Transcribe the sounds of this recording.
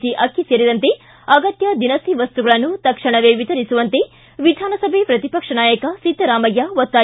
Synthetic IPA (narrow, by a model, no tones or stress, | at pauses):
t͡ʃiʔɐkʰːiseːɾid̪ɐnt̪e̞ | ɐɡɐt̪jɐd̪inɐsiʋɐst̪uɡɐɭɐnːut̪ɐkʂɐɳɐʋeʋit̪ɐɾisuʋɐnt̪e̞ | ʋid̪ʱaːnɐsɐbʱepɾɐt̪ipɐkʂɐɳnaːjɐkɐsit̪ːɐɾaːmɐjːaʋot̪ːaː